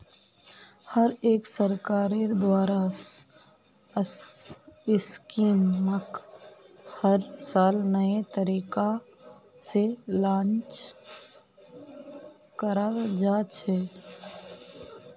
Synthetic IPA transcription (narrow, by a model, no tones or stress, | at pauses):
həɾeːksəɾkaːɾed̪waːɾa | ɪskiːmmək | həɾsaːlnəet̪əɾiːka | selãːnt͡ʃ | kəɾad͡ʒaːt͡ʃʰɛ